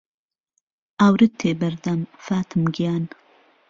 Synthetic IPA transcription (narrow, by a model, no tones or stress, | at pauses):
ʔaːwɾɨt̪ʰːeːbɐɾd̪ɐmfaːt̪ʰɨmɡijaːn